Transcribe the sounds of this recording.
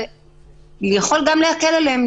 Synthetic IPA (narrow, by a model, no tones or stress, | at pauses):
lejaχolɡamlehakeleleem